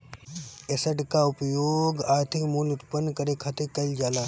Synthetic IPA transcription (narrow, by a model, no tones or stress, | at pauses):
esəʈkaʊpjoːɡaːɾt̪ʰɪkmuːlʊt̪pənːkɐɾekʰɐt̪ekɐld͡ʒaːlaː